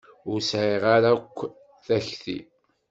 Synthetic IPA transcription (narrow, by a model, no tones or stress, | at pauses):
ʊɾsʕiʁaɾakʷː | θæçθḭ